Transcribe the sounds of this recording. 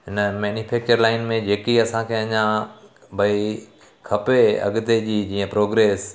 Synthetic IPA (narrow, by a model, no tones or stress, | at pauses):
ɦɪnəmɛːnjufeːk̚t͡ɕəɾlaːɪnmẽd͡ʑeːkiɐsãkʰeɐɲã | bʱɐi | kʰɐpeɐ̰ɠʊt̪ed͡ʑiːd͡ʑiːə̃pɾoːɡɾeːs